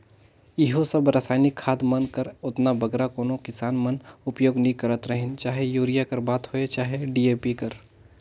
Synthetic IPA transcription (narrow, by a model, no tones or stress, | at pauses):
ɪɦosəbɾaːsaːnɪkʰːaːd̪mɐnkəɾʊt̪nabɐɡɾakoːnokɪsaːnmənʊpjoːɡnikɐɾət̪ɾəɦɪ̃nt͡ʃaːɦejuːɾijakəɾbaːt̪hoet͡ʃaːɦeɖiːeːpikəɾ